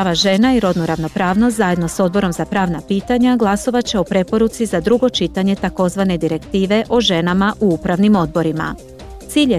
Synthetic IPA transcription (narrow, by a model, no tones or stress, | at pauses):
ʋaʒe̞naiɾo̞d̪nuɾaʋno̞pɾaːʋno̞st̪zaje̞d̪no̞so̞d̪̚bo̞ɾo̞mzapɾaːʋnapiːt̪aɲaɡlˠaso̞ʋat͡ɕe̞o̞pɾe̞po̞ɾut̪sizad̪ɾuɡo̞t͡ʃit̪aɲe̞t̪ako̞zʋane̞d̪iɾe̞kt̪iːʋe̞ʔo̞ʒe̞namaʔuupɾaʋnimo̞d̪̚bo̞ɾima̰ | t̪siːʎe